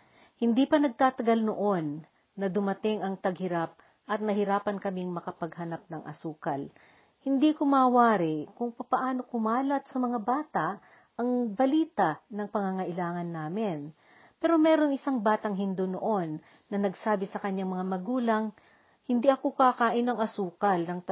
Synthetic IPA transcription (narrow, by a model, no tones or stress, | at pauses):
hɪnd̪iːpɐnɐɡ̚t̪aːt̪ɐɡalnoʔo̞nː | ɐd̪ʊmɐt̪ɪŋɐŋt̪ɐɡhɪɾap̚ | ʔɐt̪̚nɐɦɪɾaːpɐnkɐmiŋmɐkɐpɐɡhɐnap̚nɐŋʔɐ̰suːkɐl | hɪnd̪iːkomɐwaːɾɪkʊŋpɐpɐʔaːno̞kʊmaːlɐt̪̚sɐmɐŋabaːt̪ɐʔ | ɐŋbɐliːt̪ɐnɐŋpɐŋaŋɐʔɪlaːŋɐnːaːmɪn | pɛːɾo̞mɛɾo̞ŋʔɪsaŋbaːt̪ɐŋɦɪnd̪ono̰ʔo̞nː | ɐnɐɡsaːbɪsɐkɐɲːaŋmɐŋamɐɡuːlɐŋ | hɪnd̪iʔɐkokakaːʔɪnɐŋʔɐsuːkɐlnɐŋ